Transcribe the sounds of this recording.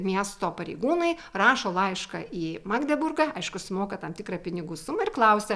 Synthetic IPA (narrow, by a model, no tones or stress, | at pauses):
mʲiɛst̪oːpɐɾʲɛɪɡuːnɐɪrɑːʃoːlˠɐɪʃkɐiːmɑɡd̪ʲɛbʊrɡɐɐɪʃkʊsʲʊmoːkɐt̪ɐmt̪ʲɪkɾɐpʲɪnʲɪɡuːsʊmɐɪrklˠɐʊsʲɛ